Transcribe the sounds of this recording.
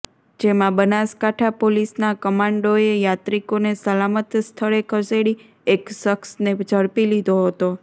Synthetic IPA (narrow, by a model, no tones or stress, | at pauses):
d͡ʒemãbənaskaʈʰapolisnakəmãɳɖoejat̪ɾikonesəlamət̪jəst̪ʰəɭekʰəseɭi | eksəksned͡ʒəɾpilid̪ʱoɦət̪o